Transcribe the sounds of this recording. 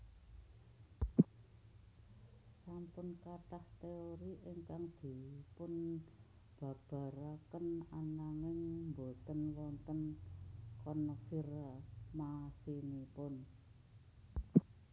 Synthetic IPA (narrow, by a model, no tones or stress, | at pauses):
sampʊnkaʈ̪aht̪eoɾiʔeŋkaŋd̪̥i̤pʊn | b̥ä̤b̥a̤ɾakənanaŋɪŋmbo̤t̪ənwɔnt̪ən | kɔnəfirmasinipʊn